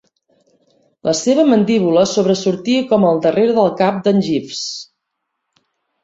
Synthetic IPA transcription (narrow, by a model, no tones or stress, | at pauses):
lʔəseβ̞əmənd̪iβ̞uləsoβɾəsuɾt̪iəkɔməlˠd̪əreɾðəlˠkap̚d̪ənʲʒifs